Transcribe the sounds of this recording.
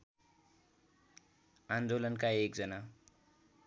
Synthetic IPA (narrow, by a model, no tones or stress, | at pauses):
and̪olʌnkaekd͡zʌna